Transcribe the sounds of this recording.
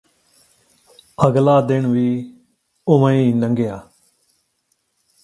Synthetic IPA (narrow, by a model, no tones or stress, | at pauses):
əɡlaːd̪ɪɳʋiː | ʊməĩːnəŋɡejaː